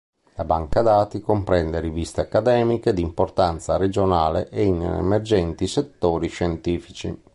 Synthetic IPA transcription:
labaŋkad̪aːt̪ikompɾɛnd̪eɾivist̪eakːad̪ɛːmiked̪import̪ant̪saɾɛd͡ʒonaːlḛʔɛinɛ̰mɛrd͡ʒɛnt̪isɛt̪ːoːɾiʃɛnt̪iːfit͡ʃḭ

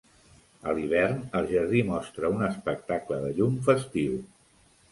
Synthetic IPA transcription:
əliβ̞ɛrnəlˠʒəɾðimɔst̪ɾəunəspək̚t̪akləðəʎumfəst̪iw

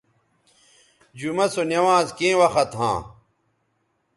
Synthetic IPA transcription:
d͡ʑumɐsonjɐwãːzkẽːwɐxɐt̪ɦã̰ː

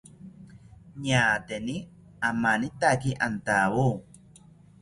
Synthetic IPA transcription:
ɲaːt̪eni | amanit̪akiʔant̪awu

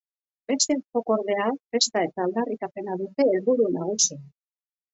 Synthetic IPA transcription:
be̞st̪e̞ko̞ko̞ɾðe̞afe̞st̪ae̞t̪aːld̪arikape̞naðut̪e̞ːlβuɾunaɣ̞usia

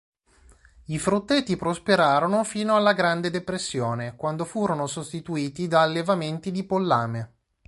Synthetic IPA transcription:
ifɾut̪ːet̪ːipɾospeɾaːɾonofiːnoalːaɡɾand̪ed̪epɾesːjoːnekwand̪ofuːɾonosost̪it̪uiːt̪id̪aːlːevament̪id̪ipolːaːme

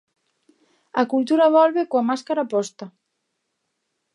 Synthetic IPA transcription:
akult̪uɾaβɔlβekoamaskaɾapɔst̪a

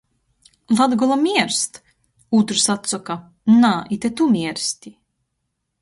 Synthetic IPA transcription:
lad̪ɡɔlˠamʲiɛɾst̪ | ut̪ɾusat̪sɔka | naʔit̪et̪umʲiɛɾst̪ʲi

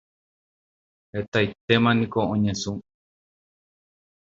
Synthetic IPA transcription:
et̪ait̪emãnĩkoõɲẽsũ

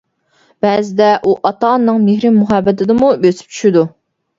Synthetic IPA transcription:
b̥ɛzɪd̪ɛʔuʔɑt̪ɑnːɨŋmehɾɪmːuɦɑbːɛt̪ʰɪd̪ɨmubøsy̥p̚t͡ʃʰy̥ʃɪd̪u

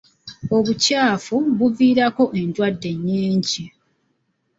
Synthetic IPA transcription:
o̞βucaːfuβuviːɾako̞ʔe̞ndwadːe̞ɲːiːɲɟi

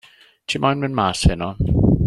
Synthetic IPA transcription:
tʰiːmʔajnmɪnmaːshɪnɔ

